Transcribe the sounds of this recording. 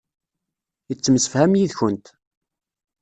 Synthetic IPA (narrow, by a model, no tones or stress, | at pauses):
jət͡sːməsə̥fhæmjiðçənt̪